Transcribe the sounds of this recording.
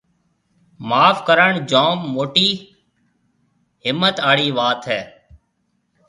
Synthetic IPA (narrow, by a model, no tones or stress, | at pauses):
maːfkəɾəɳd͡ʒoːmːoːʈiː | ɦɪmːət̪aːɽiːʋaːt̪ɦɛː